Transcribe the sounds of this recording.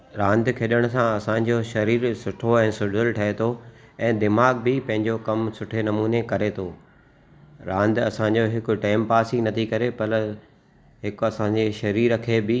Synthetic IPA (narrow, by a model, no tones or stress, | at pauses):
ɾãːnd̪kʰeɗəɽ̃sãɐsãɲ̆d͡ʑoʃɐɾiːɾsʊʈʰoɛ̃ːsʊɖəlʈʰɐɦet̪ʰoɛ̃ːd̪ɪmaːɡ̚bɪpɐ̃ɦɪ̃ɲd͡ʑokɐmsʊʈʰenɐmuːnekɐɾet̪ʰoː | ɾãːnd̪ɐsãːɲ̆d͡ʑoɦɪkʊ̆ʈaːɪmpaːsinɐt̪ʰikɐɾepɐɾ | ɦɪkɐsãːɲd͡ʑeʃɐɾiːɾkʰeːbɪ